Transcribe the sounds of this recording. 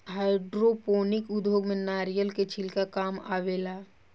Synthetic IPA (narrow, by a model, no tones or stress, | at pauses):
ɦaːɪɖɾopoːnɪkʊd̪joːɡmẽnaːɾijəlket͡ʃʰilkakaːma̰ːʋeːlaː